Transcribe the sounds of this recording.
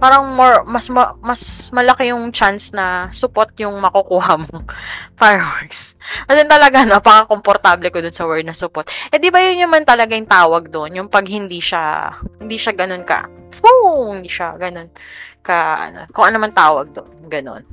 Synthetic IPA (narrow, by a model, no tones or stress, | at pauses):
paːɾɐŋmoɹmɐsmɐmɐsmɐlɐkɛjʊŋt͡ʃansnɐsʊpot̪̚jʊŋmɐkokuːɦɐmoŋfajwaɹksɐdɛnt̪ɐlɐɡanopɐkɐko̞mpoɾt̪ablɛkod̪ʊnsɐwɛɹd̪̚nɐsʊpot̪̚ʔɛd̪ɪbɐjʊnjɐmant̪ɐlɐɡajʊŋt̪aːwɐɡ̚d̪oʔnjʊŋpɐɡhɪnd̪iʃa̰hɪnd̪iːʃaɡɐno̞nkɐ̰ | ohɪnd̪iʃaɡɐno̞nkɐʔɐ̰no̰kʊŋʔɐnomɐnt̪aːwɐɡ̚d̪onɡɐno̞̰n